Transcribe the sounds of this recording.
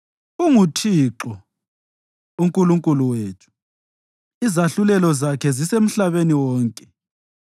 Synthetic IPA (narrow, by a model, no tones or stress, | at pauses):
uŋutʰiːǁɔ | uŋkʼuluŋkʼuluweːtʰu̥ | izaɬulɛlɔzakʰɛzisem̩ɬaβeniwɔːŋkʼɛ